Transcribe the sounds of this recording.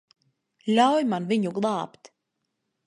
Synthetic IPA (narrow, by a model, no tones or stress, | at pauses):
lʲawjmanviɲuɡlˠɑːpt̪